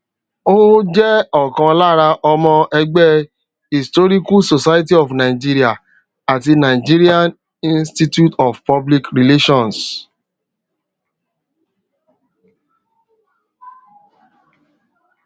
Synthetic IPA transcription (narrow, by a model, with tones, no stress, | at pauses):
o˦d͡ʒɛ˦ɔ˨kã˧la˦ɾa˧ʔɔ˧mɔ̃˧ʔɛ˧ɡ͡bɛ˦ | i˨stɔ˦ɾi˦ku˦so˨sa˦jt̬i˦ɔ˨fnã˨i˨d͡ʒi˦ɾi˦a˨ | a˨ti˧nã˨i˨d͡ʒi˦ɾi˦a˦n | ĩ˦nsti˦tju˦tɔ˨fpɔ˦bli˦kɾi˨le˦ʃɔ̃˦˨ns